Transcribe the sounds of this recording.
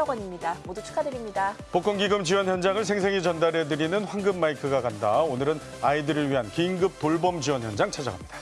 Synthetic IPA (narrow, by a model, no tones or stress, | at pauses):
aɡwaɲimɲidamodut͡ɕʰu̥k͈ʰadɯɾimɲidapok͈ʌŋɡiɡɯmd͡ʑiwʌnçjʌnd͡ʑaŋɯɭsʰe̞ŋs̬ʰe̞ŋit͡ɕʌndaɾɦe̞dɯɾinɯnɸwanɡɯmːaikʰɯɡakandaonɯɾɯn | aidɯɾɯɭɥiɦankiŋɡɯp̚t͈oɭbʌmd͡ʑiwʌnçjʌnd͡ʑaŋt͡ɕʰad͡ʑa̰ɡa̰mɲid̥aa